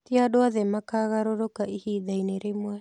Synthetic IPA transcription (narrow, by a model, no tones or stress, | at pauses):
t̪iadoaðemakaɣaɾoɾokaʔihidajneɾemua